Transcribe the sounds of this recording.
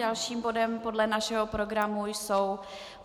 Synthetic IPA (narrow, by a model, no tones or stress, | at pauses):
alʃiːmbo̞dɛmpo̞dlɛnaʃɛɦo̞pɾo̞ɡɾamujsow